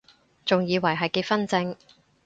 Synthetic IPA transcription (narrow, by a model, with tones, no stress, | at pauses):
t͡sʊ˨ŋjiː˨˧wɐ˨˩jɦɐ˨jke˧fɐ˥nt͡sɪ˧ŋ